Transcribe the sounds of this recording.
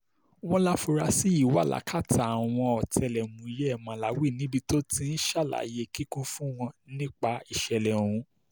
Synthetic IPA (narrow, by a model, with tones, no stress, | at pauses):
w̃ɔ̃˦la˦fu˧ɾa˧si˦i˦˨wa̰˦˨la̰˨˦kʰa˦˨tʰa˨a˨w̃ɔ̃˧ɔ˨tʰɛ˧˨lɛ˨mũ˨i˨jɛ˦ɛ˦˨mã˨la˨˦wi˦˨nĩ˨˦bi˧to˦tĩ˦n̩˦ʃa˦˨la̰˨˦je˧ki˦kũ˦fũ˦w̃ɔ̃˧nĩ˦k͡pa˧i˨ʃɛ˨lɛ˨o˨ɾ̃ũ˧˦